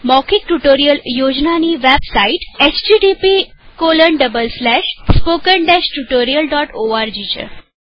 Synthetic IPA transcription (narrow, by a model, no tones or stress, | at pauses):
mɔkʰik̚ʈuʈoɾijəljod͡ʑnaniʋebsaiʈet͡ɕd͡ʑiɖipikoləɳɖəbəlslɛʃspokəɳɖɛɕʈuʈoɾijəlɖɔʈoaɾd͡ʑit͡ɕḛ